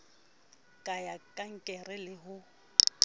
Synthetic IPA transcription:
kʼajakʼaŋ̩kʼɛrɛlɪɦʊ

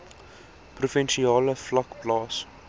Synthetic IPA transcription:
prufɛnʃiɑːləflɐkplɑːs

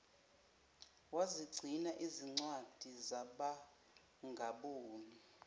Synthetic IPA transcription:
waziɡ͡ǀʱinaʔiziŋ͡ǀwad̥ʱizaɓa | ŋɡʱaɓoːni

